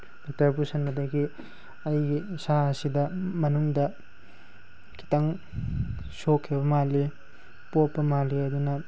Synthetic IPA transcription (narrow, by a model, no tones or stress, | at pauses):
dok̚tɐɾbusɐnbɐdɐɡi | ɐjɡisaɐsidɐmɐnuŋdɐ | kʰi̥tɐŋ | sokʰːibɐmali | popːɐmaliɐdunɐ